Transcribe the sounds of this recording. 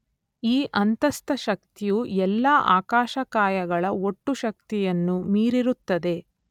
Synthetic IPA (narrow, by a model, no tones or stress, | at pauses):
iːʔɐnt̪ɐst̪ɐʃɐk̚t̪ijuɛlːaːʔa̰ːkaːʃɐkaːjɐɡɐɭɐo̞ʈːuʃɐk̚t̪ijɐnːumiːɾiɾut̪ːɐd̪e̞